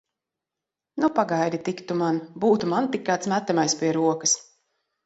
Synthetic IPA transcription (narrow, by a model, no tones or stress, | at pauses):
nupaɡajd̪ʲit̪ikt̪umanbuːt̪umant̪ikːaːt̪smæt̪ːamajspʲiɛɾuɔkas